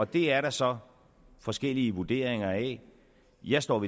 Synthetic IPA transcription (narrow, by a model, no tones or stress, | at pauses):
ɒ̽d̥e̝æɐɾɑ̈sɒ̽ | fɒ̽sɡ̥el̰iəʋud̥e̝̰ɐ̰eŋɐɛ | jɑ̈ɪsd̥ɒ̰ːʋi